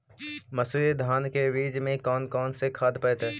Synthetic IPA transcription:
mɐsd̪ʱaːnkeɾiːd͡ʒmẽkɔːnkɔːnsekʰaːd̪pɛːt̪ɛː

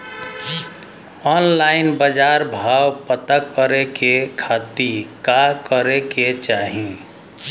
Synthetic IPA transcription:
ɔnlaɪnbəd͡ʒaɾbʱawpət̪əkːəɾekekʰat̪ikakəɾeket͡ʃaɦĩ

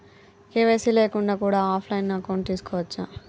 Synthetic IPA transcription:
keːʋeːsileːkuɳɖaːkuːɽaːaːpʰlɐjnnaːkɐwɳʈ̚t̪iːsu̥kɔːʋɐt͡ʃːa

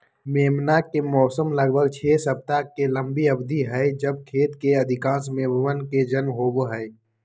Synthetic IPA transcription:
meːmnakemɔːsəmləɡbʱəɡt͡ʃʰeːsɐb̚t̪akelə̃mbiɐbd̪ʱiɦɛed͡ʒəb̚kʰeːt̪keɐd̪ʱɪkãːsmẽːməʋənked͡ʒənmɦoːbɦɛ

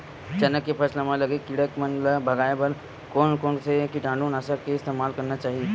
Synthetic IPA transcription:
t͡ʃənəkːepʰəslemãləɡekiɽəkmənləbʱəɡajbəɾ | koːnkonsekiʈãɳɖuːnasakeɪst̪emalkəɾnat͡ʃaːɦie

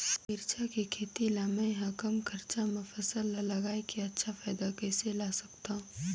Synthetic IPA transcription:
ɪɾt͡ʃakikʰeːt̪ilaːmaẽɦakəmkʰɐɾt͡ʃamʊfəsəlːlɐɡaːikeɐtːʃʰafaːd̪akɛːselaːsɐkt̪ã

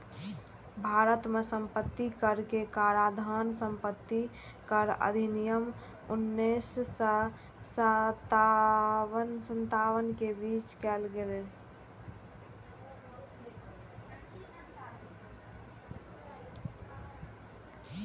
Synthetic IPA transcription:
bʱaɾət̪mesə̃mpət̪ːikəɾkekaɾad̪ʱənsəmpət̪ːi | kəɾə̰d̪ʱinijəm | unːes | st̪a | ənsənt̪awənkebit͡ʃkɛlɡele

